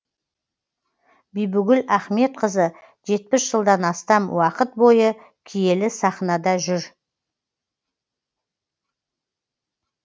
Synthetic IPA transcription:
bijbʏɡʲɪlæχme̞t̪̚qʰəzə | ʒe̞t̪̚pɪsʒ̥əlˠd̪ɑnɑst̪ɑmwɑqət̪̚bo̞jə | kʲʰije̞lɪsɑχnɑd̪ɑʒʏɾ

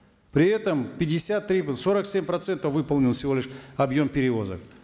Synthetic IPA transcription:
pɾʲɪɛt̪əmpʲɪdʲɪsʲat̪ːɾʲiso̞ɾəksʲemʲpɾɐt̪sɛnt̪əvɨpəlˠnʲɪlˠfsʲɪvo̞lʲɪʂɐbjo̞mpʲɪɾʲɪvo̞zə̰k

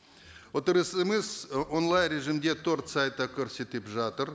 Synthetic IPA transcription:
wwot̪əɾəsəməzwonlˠɑjnrʲe̞ʒimd̪et̪ʰoɾt̪sajt̪əkʲʰɵɾse̞t̪epʒɑt̪əɾ

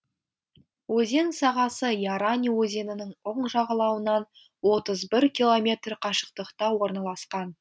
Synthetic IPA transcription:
wɵze̞nsɑʁɑsəjɑɾanʲiwɵze̞nɪnɪŋʊɴʒɑʁɑlˠɑwənɑn | wo̞t̪əzbɪɾkʲilˠo̞mʲe̞t̪rqʰɑʃə̥qt̪əqt̪ɑwo̞ɾnɑlˠɑsqɑn

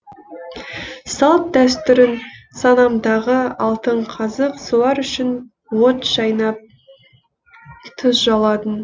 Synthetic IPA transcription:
sɑlˠt̪̚d̪æst̪ʏɾɪn | sɑnɑmd̪ɑʁəɑlˠt̪əɴqʰɑzəqsulˠɑɾʏʃɪn | wot̪ʒ̥ɑjnɑp̚ | t̪ʰʊsʒɑlˠɑt̪ən

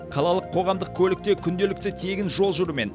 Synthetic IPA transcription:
qʰɑlˠɑlˠəqʰːo̞ʁɑmd̪əkʲʰɵlɪk̚t̪e̞kʲʰʏnd̪e̞lɪk̚t̪ɪt̪ʰe̞ɡʲɪnʒo̞lˠʒʊɾəme̞̰n

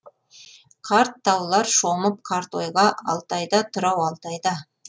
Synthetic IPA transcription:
qʰɑɾt̪ːɑwlˠɑɾʃo̞məp̚qʰɑɾt̪o̞jʁɑʔɑ̰lˠt̪ɑjd̪ɑt̪ʰʊɾɑwɑlˠt̪ɑjd̪ɑ

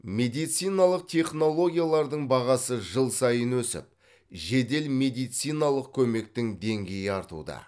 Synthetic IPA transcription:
me̞d̪ijt̪sijnɑlˠəq̚t̪ʲʰe̞χno̞lˠo̞ɡʲijalˠɑɾd̪əɴbɑʁɑsəʒəlˠsɑjənwɵsɪ̰p̚ | ʒe̞d̪e̞lme̞d̪ijt̪sijnɑlˠəq̚kʲʰɵme̞k̚t̪ɪŋd̪e̞ŋɡʲe̞jɪɑɾt̪ṵd̪ə̰

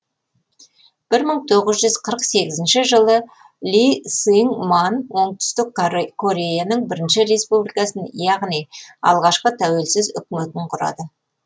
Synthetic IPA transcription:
b̥ɪɾməɴt̪ʰo̞ʁəzʒʏzqʰəɾəqse̞ɡʲɪzɪnʃɪʒəlˠə | lʲisiŋmanwo̞ɴt̪ʏ̥st̪ɪkkʰo̞ɾʲe̞janəɴbɪɾɪnʃɪɾe̞spublijkɑsənjɑʁnijɑ̰lˠʁɑʃqət̪ʰæwelsɪzʏ̰kʲme̞t̪ɪɴqʰʊɾɑ̰d̪ə

